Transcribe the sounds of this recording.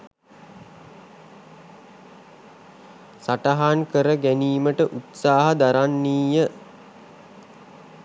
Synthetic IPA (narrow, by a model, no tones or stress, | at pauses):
saʈaɦankəɾəɡæniːməʈəʔut̪saːɦəd̪aɾanːiːjə